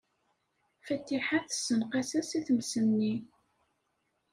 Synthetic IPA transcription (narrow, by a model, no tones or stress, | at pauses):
fæt̪ːiħaθəsənqæsæsiθəmsənːi